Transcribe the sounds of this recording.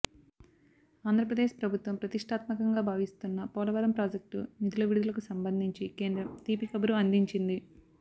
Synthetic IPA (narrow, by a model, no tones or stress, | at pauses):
aːnd̪ɾɐp̬ɾɐd̪eːʃpɾɐbʱut̪ʋɐmpɾɐt̪iʂʈʰaːt̪mɐkɐŋɡaːbʱaːʋist̪unːɐpɔːlɐʋɐɾɐmpɾaːd͡ʒek̚ʈṵnid̪ulɐʋiɽud̪ulɐkusɐmbɐnd̪ʱiɲt͡ʃikeːnd̪ɾɐmt̪iːpikɐbɐɾuɐnd̪iɲt͡ʃind̪i